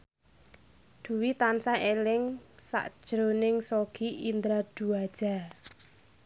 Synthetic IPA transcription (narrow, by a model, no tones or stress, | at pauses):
d̪̥ṳwit̪ansaʔelɪŋsa̰ʔd̥ʒ̥ɾonɪŋsoɡ̥iʔind̪ɾad̪̥uad̥ʒ̥a̤